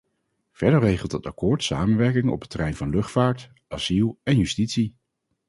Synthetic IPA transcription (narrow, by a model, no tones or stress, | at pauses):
v̥ɛɹdəɹrejχəlˠtətɑ̰kʊːɹtsa̰ːmənʋɛɹkɪŋɔ̰pətərɛjnvɑnlɵχtfaːɹt | ʔaz̥ilˠɛnjystitsi